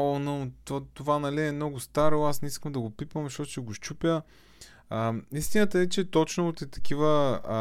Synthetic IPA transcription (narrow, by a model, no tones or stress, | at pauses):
onəot̪ovanɐliɛmnɔɡʊst̪aɾoasnɛiskəmd̪ɐɡopipvɐmzʃɔt̪ʊ̥t͡ʃɛɡʊʃt͡ʃupʲjə | ist̪inət̪əɛt͡ʃɛt̪ɔt͡ʃnʊt̪ɛt̪ɐ̥k̟ivə